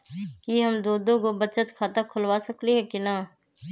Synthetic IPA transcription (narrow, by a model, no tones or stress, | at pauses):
kiɦəmd̪oːd̪õːkobət͡ʃət̪kʰaːt̪akʰʊlʋaːsəkliɦɛːkɪnaː